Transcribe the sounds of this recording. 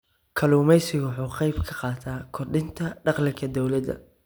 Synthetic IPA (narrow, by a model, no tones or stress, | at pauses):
kʰɐluːmɛjsɪʊħuːqɛjbkʰɐqɑːt̪ʰaːkʰɔrɖɪnt̪ʰɐɖɑqlɪkʰɐd̪ɔwlɐd̪ɐ̰